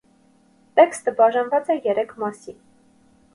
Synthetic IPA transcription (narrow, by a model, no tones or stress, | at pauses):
t̪ɛkst̪əbɑʒɑnvɑt͡sɛjɛɾɛkʰmɑsi